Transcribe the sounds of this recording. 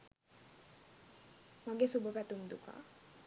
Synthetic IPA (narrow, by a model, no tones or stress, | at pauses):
maɡesubəpæt̪uŋd̪uka̰ː